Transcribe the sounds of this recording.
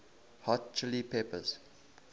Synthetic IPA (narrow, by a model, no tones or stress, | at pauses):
hɔtt͡ʃɪlipʰepə̰z̥